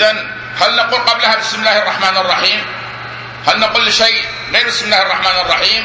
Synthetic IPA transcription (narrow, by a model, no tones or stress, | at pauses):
ðan | halnaquːlqɑblhabɪsmɪlːaːhɑrˤːɑħmaːnɑrˤːɑħiːm | halnaquːlːʃej | ɣeːɾbɪsmɪlːaːhɑrˤːɑħmaːnɑrˤːɑħiːm